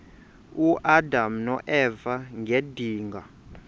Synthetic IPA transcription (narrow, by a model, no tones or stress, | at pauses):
uʔadamnɔʔɛvaŋediːŋɡa̰